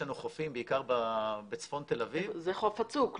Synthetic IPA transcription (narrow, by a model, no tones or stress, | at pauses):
anuχo̞fimbeikaʁbabet͡sfo̞nt̪e̞lavivzeχofat͡suk